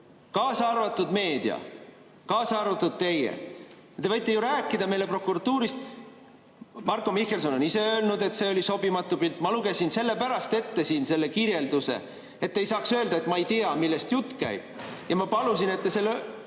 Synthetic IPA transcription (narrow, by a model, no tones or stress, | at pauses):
kɑːsɑrvɑt̪ːˑud̪me̞ːd̪̥iɑ̰ | kɑːsɑrvɑt̪ːˑud̪̥̚t̪e̞jḛ | ɑt̪evɤjt̪ːˑejuɾæːkːˑid̪ɑme̞jle̞pro̞kuɾɑt̪ːuːɾist̪̚ | mɑrkːo̞mihke̞lso̞nonise̞ø̞ːlnud̪e̞t̪se̞o̞lʲiso̞bimɑt̪ːupilt̪ːˑmɑluɡ̥e̞sinse̞lːe̞pæɾɑst̪e̞t̪ːe̞siːnse̞lːe̞kiɾje̞ld̪usḛ | et̪ːe̞jsɑːksø̞ːld̪ɑet̪mɑejt̪eɑmilːest̪jut̪ːˑkæ̰jb̥̚jɑmɑpɑlusine̞t̪ːese̞lːe